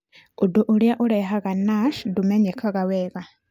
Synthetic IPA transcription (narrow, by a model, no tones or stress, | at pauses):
uduʔuljaʔuɾeɦaɣanaʃdumeɲekʰaɣaweɣa